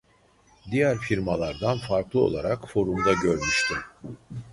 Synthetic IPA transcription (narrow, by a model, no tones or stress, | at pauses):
d̪ijæɾfiɾmalˠaɾd̪anfaɾklˠɯo̰lˠaɾakfo̞ɾumd̪aɟøɾmyʃt̪ʰim